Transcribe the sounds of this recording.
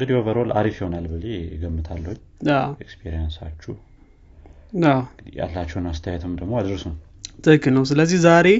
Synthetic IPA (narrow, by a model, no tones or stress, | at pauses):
ɡɨd̪iovəɾolʔa̰ɾifjɪho̞nalbəleɪɡəmːɨt̪ʰalːəhuɲː | aekspʰeɾijansat͡ʃːuh | awja̰lːat͡ʃːɛwnast̪ʰəjɛt̪ʰɨmd̪əɡmo̞ad̪ɾsum | t̪ʰəkːɨlnəws̬ɨləzːihzaɾe̞